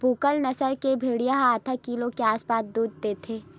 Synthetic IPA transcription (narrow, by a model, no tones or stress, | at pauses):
buːkəlnɐsəlkebʱeːɽijaɦaːt̪ʰəkiːlõkeaːspaːsd̪uːd̪̚t̪et̪ʰeː